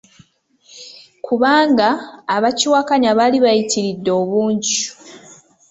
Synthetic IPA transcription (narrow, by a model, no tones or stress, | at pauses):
kʰuβaːŋɡaːβaciwakaɲaβaliβajitʰiɾidːo̞ːβuːɲɟi